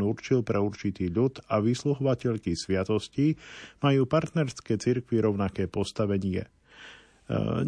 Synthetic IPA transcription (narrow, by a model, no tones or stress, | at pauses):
uɾt͡ʃilpɾɛuɾt͡ʃit̪iːʎut̪aʋisluɦɔʋacɛʎkisʋɪat̪ɔscimajuːpaɾt̪nɛɾskɛːt͡siɾkʋiɾɔʊnakɛːpɔst̪aʋɛɲɪɛ̰